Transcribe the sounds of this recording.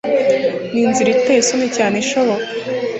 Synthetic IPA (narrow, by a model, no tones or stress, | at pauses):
niːnziɾitesunecaːneʃoβokḁ